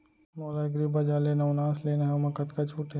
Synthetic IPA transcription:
moːlaɡɾibad͡ʒaleːnɐwnãːsleːnaɦɛmɐkɐt̪kat͡ʃʰuːʈe

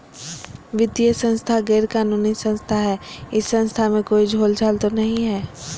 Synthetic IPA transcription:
ʋɪd̪ijəsə̃nst̪ʰaɡɛːɾkaːnuːnisə̃nst̪ʰaɦɛːɪsːə̃nst̪ʰamẽkoːid͡ʒʱoːld͡ʒʰaːlt̪onɐɦĩɦɛː

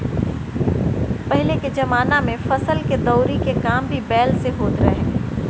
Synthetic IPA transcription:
pɐɦɪleked͡ʒɐmaːnamẽfɐsəlked̪ɔːɾikekaːmbʱibɛːlseɦoːt̪ɾɐɦɦɛ̃ː

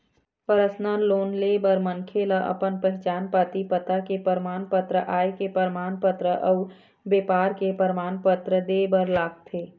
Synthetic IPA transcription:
pəɾəsnaloːnleːbəɾmənkʰelaʔə̰pənpəɦɪt͡ʃaːnpat̪ipət̪akepəɾmaːnpət̪ɾəʔaːekepəɾmaːnpət̪ɾəʔəʊ | beːpaːɾkepəɾmaːnpət̪ɾəd̪eːbəɾlaːɡt̪ʰeː

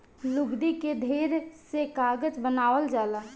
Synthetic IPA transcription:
luɡd̪iked̪ʱeɾsekaːɡəd͡ʒbənaːʋəld͡ʒaːla

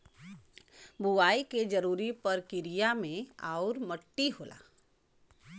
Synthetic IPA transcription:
buʋaːiked͡ʒɐɾuːɾipɐɾkɪɾijamẽaːɾməʈːiɦoːla̰ː

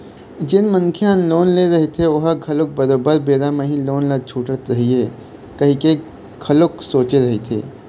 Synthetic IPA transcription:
d͡ʒɪnmɐ̃nkʰeãnloːnleːɾɐɦet̪ʰeʊɦaɡʱɐlʊk̚bɐɾoːbəɾbeːɾameɦĩloːnlɐt͡ʃʰuːʈət̪ɾɐɦiɦeː | kɐɦĩke | ɡʰɐlʊksoːt͡ʃeɾɐɦet̪ʰḛː

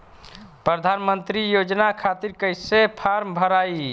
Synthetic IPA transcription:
pɾəd̪ʱanmənt̪ɾijod͡ʒnakʰat̪iɾkəjsepʰaɾmbʱəɾai

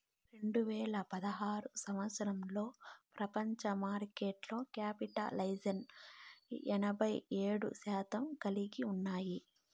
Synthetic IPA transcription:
ɾe̞ɳɖuʋɛːlɐpɐd̪ɐɦaːɾusɐmʋɐt̪sɐɾɐmlo̞ːpɾɐpɐɲt͡ʃɐmaːɾkeːʈlo̞ːkaːpiʈɐ̰lɐjd͡ʒɐn | ɛnɐbʱɐjeːɽṵsaːt̪ɐmkɐliɡiunːaːji

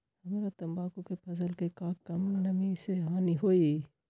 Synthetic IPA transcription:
hɐmeːɾat̪ɐmbaːkõkepʰɐzəlkekãːkːɐmnɐmiseɦãːniɦoːiː

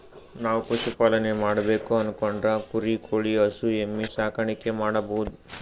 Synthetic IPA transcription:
naːʋukoʃupaːlɐnemaːɽɐbe̞ːkuɐnukoɳɖɾɐkuɾikʰoːɭiɐsuemːisaːkʰɐɳikːemaːɽɐboːd̪u

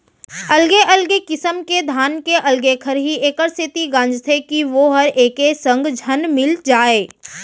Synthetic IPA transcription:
ɐlɡeʔɐlɡekɪsəmked̪ʱaːnkeʔɐlɡekʰəɾɦiʔeːkəɾsʰɪt̪iɡãːnd͡ʒt̪ʰekiʋoɦɐɾeːkesə̃ŋɡd͡ʒʱənmɪld͡ʒaːeː

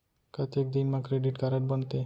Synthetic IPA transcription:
kat̪ek̚d̪inmakɾeɖiʈkaɾaɾbɔnt̪e

